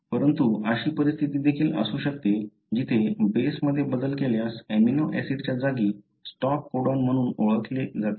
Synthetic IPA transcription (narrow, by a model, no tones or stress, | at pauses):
pəɾənt̪uəɕiːpəɾist̪ʰit̪iːd̪ekʰiːlə̰suːɕək̚t̪e | d͡ʑit̪ʰebesməd̪ʱːjebəd̪əlkeljaseminoʔɛsiʈt͡ɕjad͡zaɡiː | sʈɔp̚koɽanm̤əɽ̃uːnoɭət̪led͡zat̪e̥